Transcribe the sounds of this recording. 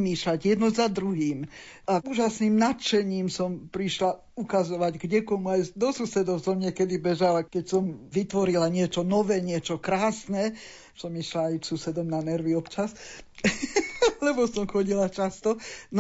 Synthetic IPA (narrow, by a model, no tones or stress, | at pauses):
miːʃlaɟjɛd̪nɔzad̪ɾuɦiːmauːʒasniːmnat̪t͡ʃɛɲiːmsɔmpɾiʃla | ukazɔʋaɟɡɲɛkɔmuajd̪ɔsusɛd̪ɔʊsɔmɲɛkɛd̪ibɛʒalakɛcsɔmʋit̪ʋɔɾilaɲɪɛt͡ʃɔnɔʋɛːɲɪɛt͡ʃɔkɾaːsnɛ | sɔmiʃlaːjsusɛd̪ɔmnanɛɾʋiɔpt͡ʃas | lɛbɔsɔmxɔɟilat͡ʃast̪ɔn